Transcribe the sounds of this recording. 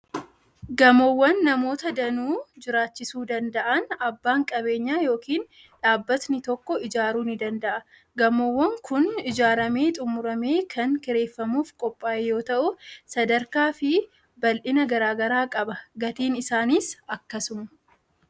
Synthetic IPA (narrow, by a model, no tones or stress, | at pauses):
ɡɐmɔwːɐnːɐmo̞ːt̪ɐd̪ɐnuːd͡ʒɪɾaːt͡ʃːɪsuːd̪ɐnd̪ɐʔɐnɐbːaːŋkʼɐβe̞ːɲːaːjo̞ːkiːn | ᶑaːbːɐt̪nɪt̪ɔkːɔɪd͡ʒaːɾuːnɪd̪ɐnd̪ɐʔɐ | ɡɐmɔwːɐŋkʰʊnɪd͡ʒaːɾɐmeːt̪ʼʊmʊɾɐmeːkʰɐŋkɪɾe̞ːfːɐmuːfkʼɔpʼːaːʔejo̞ːt̪ɐʔʊsɐd̪ɐɾkaːfɪ | bɐlʔɪnɐɡɐɾaːɡɐɾaːkʼɐbɐɡɐt̪iːnɪsaːniːsɐkːɐsʊmɐ̥